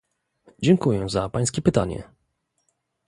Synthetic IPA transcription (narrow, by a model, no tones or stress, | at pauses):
d͡ʑɛŋkujɛzapaj̃skʲɛpɘt̪a̰ɲɛ̰